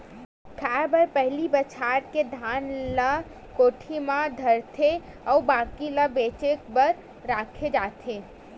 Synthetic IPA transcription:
kʰabəɾpəɦlibət͡ʃʰaɾked̪ʱanlə | koːʈʰimãd̪ʱəɾt̪ʰe | əubakiləbet͡ʃekbəɾ | ɾakʰed͡ʒat̪ʰe

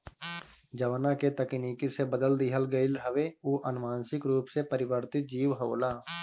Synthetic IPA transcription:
d͡ʒəʋnaket̪əkniːkisebəd̪əld̪ɪɦəlɡəɪlɦəʋeuːʔənmaːnsɪkɾuːpsepəɾɪʋəɾt̪ɪt̪̚d͡ʒiːʋɦoːlaː

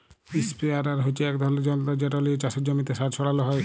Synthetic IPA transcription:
ispiaɾaɾɦot͡ɕʰeɛkd̪ʱɔled͡ʑɔnt̪ad͡ʑeʈoliot͡ɕaʃed͡ʑomit̪eʃaɾʃʰɔɽaloɦɔe

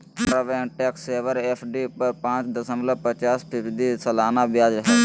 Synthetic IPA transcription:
ɳɾaːʋɛːʈɛːkseːʋəɾɛːpʰɖiːpəɾpãːt͡ʃd̪əsənləpət͡ʃaːspʰɪpd̪iːsəlaːnaːbɪjaːd͡ʒɦə

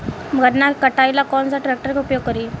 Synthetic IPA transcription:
mɡʱəɾnakəʈajlakɔnt͡saʈɾɛk̚ʈəɾkeupjoɡ̚kəɾiː

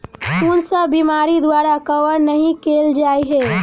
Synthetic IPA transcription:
kunsəbimaɾid̪waɾakəʋəɾnəɦĩkeld͡ʒaːiɦɛ

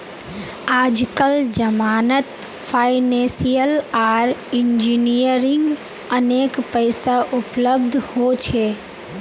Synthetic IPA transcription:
aːd͡ʒkəld͡ʒəmaːnət̪ | pʰaːɪnẽsijəlaːɾɪnd͡ʒinijəɾɪ̃ŋɡ | əneːkpəɪsaʔʊpləbd̪ʱhot͡ʃʰe

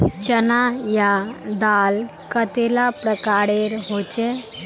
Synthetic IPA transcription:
t͡ʃənajad̪al | kət̪elapɾəkaɾeɾɦot͡ʃe

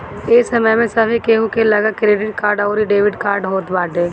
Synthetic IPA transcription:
eːsɐməjmẽsɐbikeːɦũkelɐɡakɾeːɖɪʈ̚kaːɾɖɔːɾiɖeːʋɪɖkaːɾɖɦoːt̪baːʈeː

